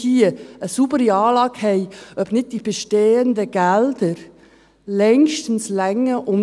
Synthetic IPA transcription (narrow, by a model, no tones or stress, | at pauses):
iːəəsuːbəɾiɑːlɑːɡhɛɪʔœbnɪd̚d̥iːb̥əʃteːəndəɡ̥ɛld̥əɾ | lɛŋʃtən̩slɛŋəʔʊm